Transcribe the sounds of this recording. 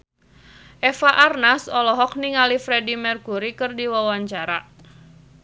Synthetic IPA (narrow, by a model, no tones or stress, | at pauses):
ʔɛfaʔarnasɔlɔɦɔk̚niŋalifɾɛdimɛrkuɾikɨrdiwawaɲt͡ʃaɾa